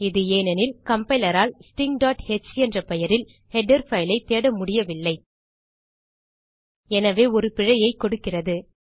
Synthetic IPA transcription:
ɪðɯeːnɐnɪlkɐmpɐɪlɐɾaːlsʈɪŋɖaːʈhɛt͡ʃːɛndrɐpɛjɐɾɪl | hɛɖɐɾfɐɪlɐɪt̪ːeːɽɐmʊɽɪjɐʋɪlːɐɪ | ɛnɐʋeːɔɾɯpɪɻɐjɐɪkːɔɽɯkːɪrɐðɯ

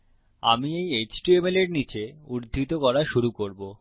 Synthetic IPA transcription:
amiejet͡ɕʈuemeleɾnit͡ɕeuɾd̪ʱit̪okɔɾaʃuɾukoɾbo

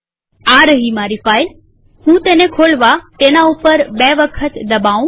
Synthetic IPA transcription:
aɾəɦimaɾifaːil | hũt̪enekʰoɭʋat̪enaupəɾbeʋəkʰət̪d̪əbaũ

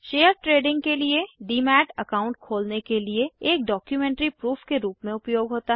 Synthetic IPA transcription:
ʃeːəɾʈɾeːɖɪ̃ŋɡkelieɖiːmɛːʈɐkaːʊ̃ɳʈ̚kʰoːlnekelieːk̚ɖɔːkjumɛ̃ːɳʈɾipɾuːfʰkeɾuːpmẽʊpjoːɡɦoːt̪aɦ

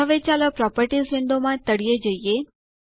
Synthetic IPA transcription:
əʋet͡ʃaːləpɾɔpəɾʈizʋɪ̃nd̪omãt̪əɽijed͡ʒəie

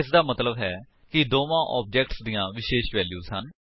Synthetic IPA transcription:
ɪs̬d̪aːmət̪ləbɦɛː | kɪd̪oːʋãːʔɔːp̚d͡ʒɛːkʈsd̪ijãːʋɪʃeːʃʋɛːljuːzɦən

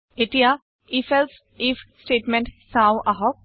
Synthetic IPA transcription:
eʈija | ifels | ifsʈeːʈmẽɳʈsãwʔaɦɔk̚

